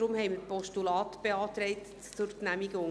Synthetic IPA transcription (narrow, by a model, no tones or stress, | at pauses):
ɾʊmhɛɪmɪpʰɔʃtulɑːtb̥ɛɑːt̪ɾɛɪt | t͡sʊɾtnæmiɡəʊŋ